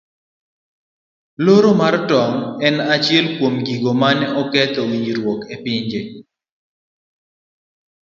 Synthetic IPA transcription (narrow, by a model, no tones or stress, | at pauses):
loɾomartɔŋɛnat͡ʃɪɛlkwomɡiɡomanɔkɛt̪ɔwiɲiɾwokepɪɲd͡ʒe